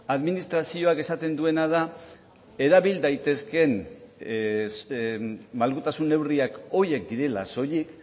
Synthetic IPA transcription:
aðminist̪ɾasio̞ake̞sat̪e̞nd̪ue̞nað̞a | e̞ɾaβild̪ajt̪e̞ske̞n | malɣut̪asune̞wriako̞je̞kd̪iɾe̞la̰so̞ʎik

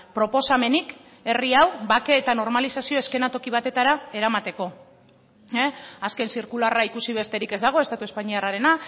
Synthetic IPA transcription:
pɾo̞po̞same̞nik | e̞riawbake̞ːt̪ano̞ɾmalisasio̞e̞ske̞nat̪o̞kiβ̞at̪e̞t̪aɾae̞ɾamat̪e̞ko̞ | aske̞nsiɾkularaikusiβ̞e̞st̪e̞ɾike̞zd̪aɣ̞o̞e̞st̪at̪uespaɲiaraɾe̞na

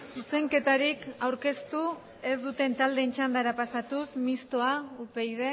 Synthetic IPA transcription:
suse̞ŋke̞t̪aɾikawɾke̞st̪u | e̞zd̪ut̪e̞nt̪ald̪e̞ːnt͡ʃand̪aɾapasat̪usmist̪o̞aupe̞jðe̞

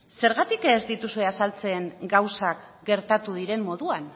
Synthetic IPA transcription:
se̞ɾɣat̪ikezd̪it̪usue̞asalt͡se̞ːŋɡawsak | ɡe̞ɾt̪at̪uðiɾe̞mːo̞ðuan

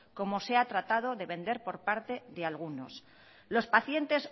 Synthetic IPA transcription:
ko̞mo̞se̞at̪ɾat̪að̞o̞ðe̞βe̞nd̪e̞ɾpo̞ɾpaɾt̪e̞ðealɣ̞uno̞̰s | lo̞spaθje̞nt̪e̞s

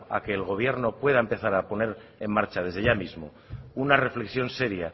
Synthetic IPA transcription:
a̰ke̞ːlɣ̞o̞β̞je̞ɾno̞pwe̞ð̞aempe̞θaɾapo̞ne̞ɾe̞mmːaɾt͡ʃað̞e̞zðeʝamizmo̞ | unare̞fle̞ksjo̞nse̞ɾja

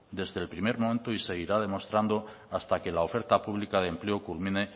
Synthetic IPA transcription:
d̪e̞zðelpɾimeɾmoment̪oise̞ɣiɾað̞e̞mo̞st̪ɾand̪o̞ | ast̪ake̞lao̞fe̞ɾt̪apuβlikað̞emple̞okulmĩne̞

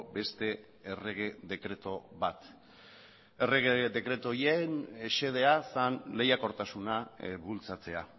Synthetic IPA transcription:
be̞st̪e̞ | ere̞ɣeðe̞kɾe̞t̪o̞βat̪ | e̞reɣeðe̞kɾe̞t̪o̞jeneʃe̞ð̞e̞asanle̞jako̞ɾt̪asunaβult͡sat͡se̞a

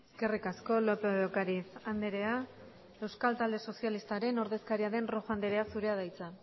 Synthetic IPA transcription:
eske̞rikasko̞lopeokaɾisand̪eɾe̞a | e̞wskalt̪ald̪e̞so̞sjalist̪aɾe̞no̞ɾðe̞skaɾiaðe̞nro̞fand̪eɾe̞asuɾe̞að̞ajt͡sa

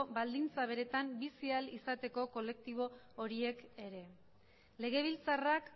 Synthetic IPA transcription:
bald̪int͡saβ̞e̞ɾe̞t̪ambisialisat̪e̞ko̞ko̞le̞k̚t̪iβ̞o̞ː | ɾie̞ke̞ɾe̞ | le̞ɣ̞e̞β̞ilt͡sarak

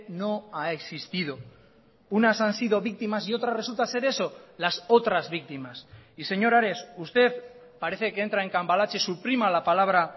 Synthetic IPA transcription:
no̞aeksist̪ið̞o̞ | unasansiðo̞βik̚t̪imasio̞t̪ɾare̞sult̪ase̞ɾe̞so̞laso̞t̪ɾazβik̚t̪imasise̞ɲo̞ɾaɾe̞sust̪e̞θ | paɾeθe̞keent̪ɾae̞ŋkambalat͡ʃe̞supɾimalapalaβ̞ɾa

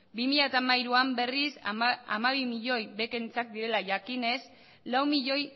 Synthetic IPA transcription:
bimiʎat̪amaiɾuambe̞risa̰maβimiʎo̞jbe̞ke̞nt͡sak̚d̪iɾe̞laʝakine̞s | lawmiʎo̞j

